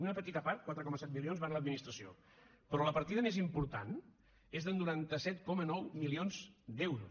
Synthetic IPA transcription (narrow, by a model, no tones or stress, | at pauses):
unəpət̪it̪əpaɾt̪̚kwat̪ɾəkɔməsɛt̪milionzβanləd̪minist̪ɾəsio̰ | pɾɔləpəɾt̪iðəmezimpuɾt̪a̰n | ezðənːuɾant̪əsɛt̪kɔmənɔwmilionzd̪ɛwɾu